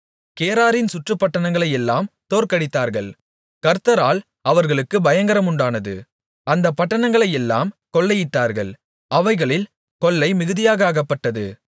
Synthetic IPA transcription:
keːɾaːɾɪnsʊʈrɯpːɐʈːɐɳɐŋɡɐɭɐjɛlːaːmt̪oːɾkɐɽɪt̪ːaːɾɣɐɭ | kɐɾt̪ːɐɾaːl | ɐʋɐɾɣɐɭɯkːɯbɐjɐŋɡɐɾɐmʊɳɖaːnɐðɯ̰ | ɐnd̪ɐpːɐʈːɐnɐŋɡɐɭɐjɛlːa̰ːmkɔɭːɐjɪʈːaːɾɣɐ̰ɭ | ɐʋɐɪɣɐɭɪl | kɔɭːɐɪmɪɣɯðɪjaːɣɐaːɣɐpːɐʈːɐðɯ

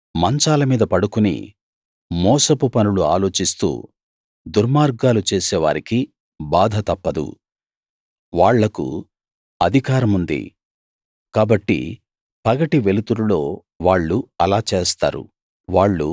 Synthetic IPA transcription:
mɐɲt͡ʃaːlɐmiːd̪ɐpɐɽukunḭ | mɔːsɐpupɐnuluaːlo̞ːt͡ʃist̪ṵː | d̪uɾmaːɾɡaːlut͡ʃeːsɛːʋa̰ːɾiki | baːd̪ʱɐt̪ɐpːɐd̪ṵ | ʋaːɭːɐkṵ | ɐd̪ʱikaːɾɐmund̪ḭ | kaːbɐʈːḭ | pɐɡɐʈiʋe̞lut̪uɽulo̞ː | ʋaːɭːuɐlaːt͡ʃeːst̪a̰ːɾṵ | ʋaːɭːṵ

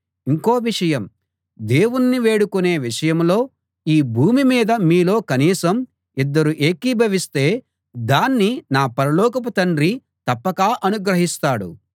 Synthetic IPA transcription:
iŋko̞ːʋiʂɐjɐm | d̪eːwunːiʋe̞ːɽukune̞ːʋiʂɐjɐmlo̞ː | iːbʱuːmimiːd̪ɐmiːlo̞ːkɐniːsɐm | id̪ːɐɾuʔe̞ːkibʱɐʋist̪e̞ː | d̪aːnːinaːpɐɾɐlɔːkɐp̬ɐt̪ɐɳɖɾi | t̪ɐpːɐkaːʔɐnuɡɾɐɦist̪aːɽṵ

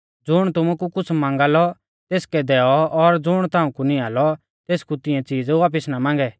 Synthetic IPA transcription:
d͡zʊɽ̃t̪ʊmukukʊt͡sʰmãːŋɡaːlɔ | t̪eːskɛd̪ɛːɔɔɾd͡zʊɽ̃t̪ãːũkuniaːlɔ | t̪eːskut̪ɪjɛ̃t͡siːd͡zʋaːp̬ɪsnamãːŋ̆ɡɛː

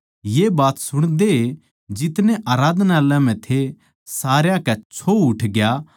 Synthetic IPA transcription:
jebaːt̪sʊɽ̃d̪e | d͡ʒɪt̪neʔaːɾaːd̪nalãm̤ɛ̃t̪ʰe | saːɾjãkɛt͡ʃʰoʊʈʰɡja

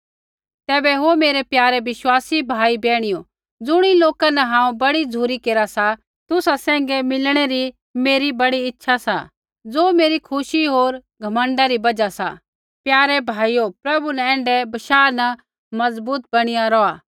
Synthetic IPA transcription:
t̪ɛːbɛɦomeːɾɛpjaːɾɛʋɪʃwaːsibʱaːibɛ̃ːɽ̃ijo | d͡zʊɽ̃iloːkanɐɦãːũbɐɽid͡zʱuːɾikeːɾasa | t̪ʊsasɛ̃ːŋ̆ɡɛmɪlɽ̃eɾi | meːɾibɐɽiɪtːʃʰasa̰ | d͡zoːmeːɾikʰʊʃiɦoːɾɡʱɐmə̃ɳɖaɾibɐd͡ʒasa̰ | pjaːɾɛbʱaːiopɾɐbunɐ̃ɛ̃ːɳɖɛbɐʃaːnɐ | mɐzbuːt̪̚bɐɽ̃ɪjaɾɔaː

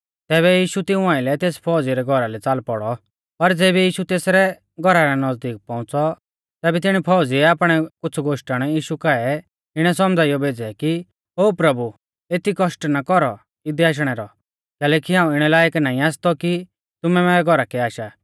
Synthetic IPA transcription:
t̪ɛːβɛjiːʃut̪ɪũaːɪlɛt̪eːspʰɔːd͡ziɾɛɡʱɔɾalɛt͡saːlpɔɽɔ | pɐɾd͡zɛːbɛjiːʃut̪eːsɾɛ | ɡʱɔɾaɾanɐd͡zd̪iːk̚pɔ̃ʊ̃t͡sɔ | t̪ɛːbɛt̪̬ɪɽ̃ipʰɔːd͡ziɛaːpɽ̃ɛkʊt͡sʰuɡoːʃʈaɽ̃ɛjiːʃukaɛ | ɪɽ̃ɛsɔmd͡zʱaːijɔbeːd͡zɛki | ɦoːpɾɐbu | eːt̪ikɔʃʈnakɔɾɔ | ɪd̪iaːʃ̬ɽ̃ɛɾɔ | kɛːlɛːkiɦãːũɪɽ̃ɛlaːjəknaːĩaːst̪ɔki | t̪ʊmɛmɛɛɡʱɔɾakɛaːʃa

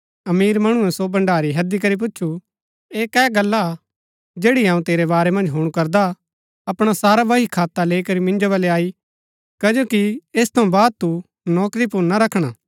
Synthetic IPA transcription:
ɐmiːɾmɐɽ̃ũɛ̃sobɐ̃ɳɖaːɾiɦɐd̪ik̬ɐɾip̬ʊt͡ʃːʃʰu | eːkɛːɡɐlːa | d͡ʒeːɽiãːũt̪eːɾebaːɾemɐ̃nd͡ʒɦuːɽ̃ukɐɾd̪a | ɐpɽ̃asaːɾaʋɐɦikʰaːt̪ːaleːikɐɾimɪ̃nd͡ʒoβɐleaːi | kɐd͡ʒoːkieːst̪ʰɐũbaːd̪̚t̪u | nɔːkɾipʊɾnaɾɐkʰɽ̃aː

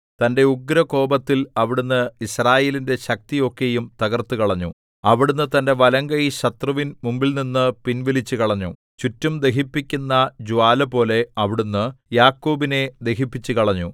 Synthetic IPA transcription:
t̪ɐnde̞uɡɾɐko̞ːbɐt̪ːilɐʋiɽunːɨisraːje̞ːlinde̞ɕɐk̚t̪ijo̞kːejumt̪ɐɣɐrt̪ːukɐɭɐɲːu | ɐʋiɽunːɨt̪ɐnde̞ʋɐlɐŋɡɐjiɕɐt̪rɐʋinmumbilninːɨpinʋilit͡ɕːukɐɭɐɲːu | t͡ɕutːumd̪e̞ɦipːikʲːunːɐd͡ʑuaːlɐpo̞ːle̞ɐʋiɽunːɨjaːkːoːbine̞d̪e̞ɦipːit͡ɕːukɐɭɐɲːu

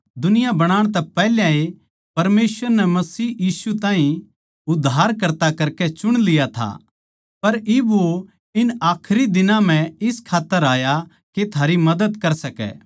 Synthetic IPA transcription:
d̪ʊnɪjabɐɽ̃aːɽ̃t̪̬ɛpɛɦljãe | pɐɾmeːsʋəɾnɛmɐsiːjiːsut̪ãːɦĩ | ʊd̪ʱːaːɾkɐɾt̪akɐɾkɛt͡ʃʊɽ̃lɪjat̪ʰa̰ | pɐɾɪbo | ɪnaːkʰɾid̪ɪnãm̤ɛ̃ɪskʰaːt̪ːəɾaːja | ket̪ʰaːɾimɐd̪əd̪kɐɾsɐkɛ̰ː

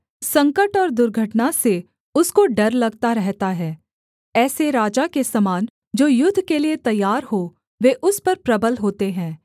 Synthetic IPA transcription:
sɐ̃ŋkəʈɔːɾd̪ʊɾɡʱəʈnase | ʊskoɖɐɾlɐɡt̪aɾɛɦt̪aɦɛː | ɛːseɾaːd͡ʒakesɐmaːn | d͡ʒoːjʊd̪ʱːkeliet̪ɐjːaːɾɦo | ʋeʔʊspɐɾpɾɐbəlɦoːt̪eɦɛ̃ː

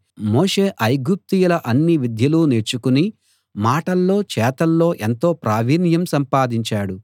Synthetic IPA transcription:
moːʂe̞ːʔɐjɡup̚t̪ijulɐʔɐnːiʋid̪ʱjɐluneɾt͡ʃːukuni | maːʈɐlːo̞ːt͡ʃɛːt̪ɐlːo̞ːʔent̪o̞ːpɾaːʋiːnjɐmsɐmpaːd̪iɲt͡ʃaːɽu

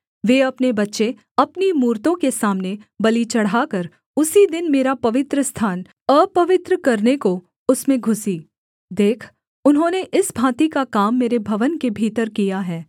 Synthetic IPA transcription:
ʋeːɐpnebɐtːʃe | ɐpnimuːɾt̪õkesaːmnebɐlit͡ʃɐɽ̤ɦaːkɐɾ | ʊsid̪ɪnmeːɾapɐʋɪt̪ɾəst̪ʰaːn | əːpɐʋɪt̪ɾəkɐɾneko | ʊsmẽɡʱʊsi | d̪eːkʰ | ʊnɦõːneʔɪsbʱãːt̪ikakaːmːeːɾebʱɐʋənkebʱiːt̪əɾkijaɦɛː

